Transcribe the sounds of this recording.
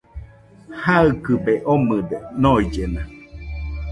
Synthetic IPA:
haɨkɨbeʔomɯd̪enoid͡ʒena

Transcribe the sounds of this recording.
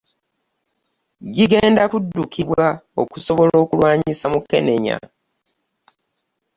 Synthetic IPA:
ɟiɡe̞ːndakudːukʰiβwao̞̰kuso̞βolo̞ːkulwaːɲisamuke̞̰ne̞ɲa̰

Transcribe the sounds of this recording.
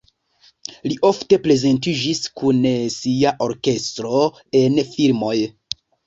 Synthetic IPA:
liʔo̞fte̞ple̞ze̞ntid͡ʒiskunsiaʔo̞ɾke̞stɾo̞ | enfilmo̞j

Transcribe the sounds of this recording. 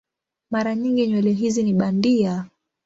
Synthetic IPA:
maɾaɲiŋɡiɲwɛlɛɦiziniɓandia

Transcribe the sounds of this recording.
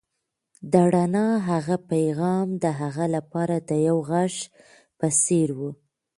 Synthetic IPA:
d̪aɽanɑɦaɣapajɣɑmd̪əɦaɣalapɑɾad̪əjawɣaʂ | pəseɾwu

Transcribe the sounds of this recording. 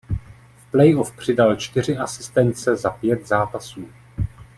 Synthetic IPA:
fplɛjofpr̝̥ɪdalt͡ʃt̪ɪr̝ɪʔasɪ̥st̪ɛnt͡sɛzapjɛt̪zaːpasuː

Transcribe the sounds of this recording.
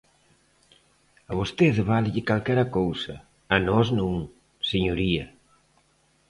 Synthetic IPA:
ɐβost̪eðβalʎɪkalkɛɾɐkowsɐː | nɔznuŋ | seɲoɾiɐ

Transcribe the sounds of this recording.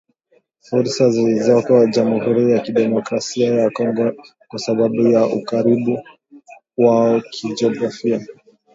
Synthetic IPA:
fuɾsazilizɔkad͡ʒamuhuɾijakiɗɛmɔkɾasiajakɔŋɡɛ | kwasaɓaɓujaʔukaɾiɓu | waɔkʰid͡ʒiɔɡɾafia

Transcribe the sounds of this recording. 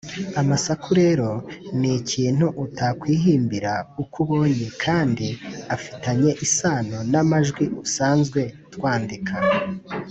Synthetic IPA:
amasakʰuɾe̞ɾo̞niciijen̥huʔutakwiːɦiːmbiɾaukuβo̞ːɲekʰaːndiafi̥taɲe̞ʔisaːnonamaʒɡwiʔusaːnzɡwe̞twaːndikʰa

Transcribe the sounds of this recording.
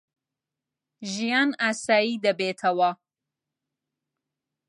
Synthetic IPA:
ʒijɑnasɑːjid̪abet̪ʰawa

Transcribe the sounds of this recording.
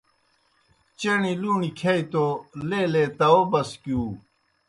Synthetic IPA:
t͡ɕeniluːnikʰaːit̪oleːleːt̪ɐoːbɐskuː

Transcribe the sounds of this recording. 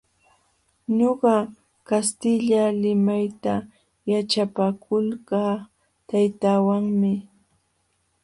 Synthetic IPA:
ɲoɢɑ | kast̪ɪʎalɪmajt̪a | jat͡ʃapakʰʊlkaː | t̪ajt̪aːwaŋmɪ

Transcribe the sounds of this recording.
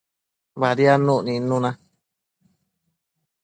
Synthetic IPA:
βaɾianũʔnĩnũnã

